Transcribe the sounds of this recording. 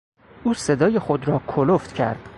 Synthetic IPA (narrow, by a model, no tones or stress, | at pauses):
ʔuːse̞d̪ɒːjexod̪ɾɒːkʰoloft̪cʰæ̰ɾd̪̥